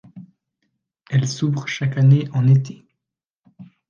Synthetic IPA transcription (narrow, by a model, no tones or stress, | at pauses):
ɛlsuvʁʃakaneʔɑ̃net̪ʰe̥